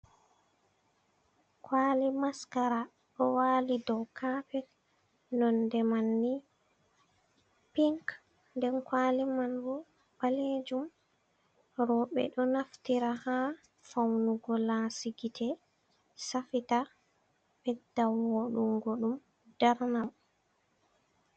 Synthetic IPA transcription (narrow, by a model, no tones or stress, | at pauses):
kwaːlimaskaɾa | ɗɔwaːlidɔwkʰapɛt | nɔndɛmanːi | piŋk | ndɛnkwaːlimanbɔ | baled͡ʒum | ɾɔɓɛ̰ɗɔnaftiɾaha | fawnuɡɔlasiɡitʰɛ | safita | bɛdːawwoɗumɡoɗum | d̥aɾnam